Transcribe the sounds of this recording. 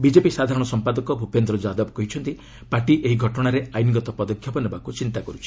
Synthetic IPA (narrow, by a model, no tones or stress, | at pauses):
bid͡ʒepisad̪ʱaɾɔɽ̃ɔsɔmpad̪ɔkɔbʱupend̪ɾɔd͡ʒad̪ɔbkɔɦit͡ʃʰɔnt̪i | paɾʈiʔeɦiɡʱɔʈɔɽ̃aɾeajniŋɡɔt̪ɔpɔd̪ɔkʰjɔpɔnebakut͡ʃint̪akɔɾut͡ʃʰi̥